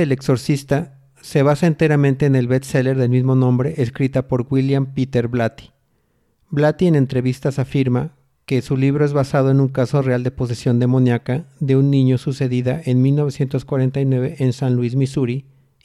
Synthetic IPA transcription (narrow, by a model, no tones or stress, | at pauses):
elekso̞ɾsist̪a | se̞β̞asaent̪e̞ɾamẽ̞nt̪e̞ːne̞lβet̪sele̞ɾðe̞lmizmo̞nõ̞mbɾeʔeskɾit̪apo̞ɾɡwiljampit̪e̞ɾblat̪i̥ | blat̪iene̞nt̪ɾe̞βist̪asafiɾma | ke̞suliβ̞ɾoe̞zβasað̞oenuŋkaso̞reald̪e̞po̞s̬e̞sjo̞nd̪e̞monjakaðe̞unːĩɲo̞suse̞ðiðaʔenmilno̞βe̞sje̞nt̪o̞skwaɾe̞nt̪ajnwe̞βe̞ʔensanluizmisuɾi